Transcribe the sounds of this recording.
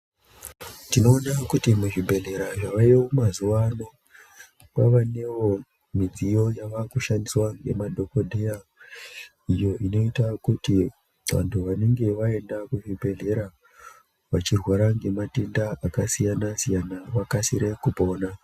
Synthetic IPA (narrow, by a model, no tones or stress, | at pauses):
tino̞ːnakutimuʐibʱe̞ɮe̞ɾaʐaʋajeomazuʋano | pa̰ʋane̞ʋo̞ | mid͡zijo̞jaʋakuʃandiswaŋɡe̞̰madʱo̞kodʱeja | ijo̞ʔino̞itakuti | ʋa̰ntʰuʋane̞ŋɡe̞ʋae̞ndakuʐibʱe̞ɮe̞ɾa | ʋat͡ʃirwaɾaŋɡe̞mate̞ndaakasijanasijanaʋakasiɾe̞kupo̞ːna